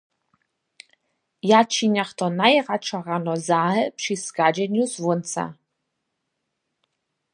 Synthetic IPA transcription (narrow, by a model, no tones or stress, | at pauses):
jaːt͡ʃʰinaχtʰɔnajʁaʈ͡ʂʰaʁanɔzaːɦɨpʰʂisɡaːd͡ʒɛnuswʊnt͡sʰa̰